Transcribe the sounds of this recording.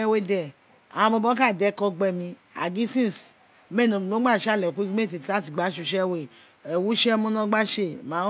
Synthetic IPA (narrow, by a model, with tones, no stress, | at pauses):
ɛ˧˦we˧˦dɛ˨ | ã̰˨ã˧bɔ˧bɔ˦ka˦˨dɛ˨˦kɔ˧ɡ͡bɛ˧mĩ˧ | a̰˨ɡi˨˦sĩ˦˨s | mɛ˦˨nõ˧˨no˨˦ɡ͡ba˦˨ʃa˦˨lɛ˨ku˦zi˦me˦˨t̬i˨ta˦ti˨ɡ͡ba˨˦ʃu˧ʃɛ˦we˨ | ɛ˨wu˦ʃɛ˦mũ˦nɔ̃˧˦ɡ͡ba˦ʃe˧˨mã˨˦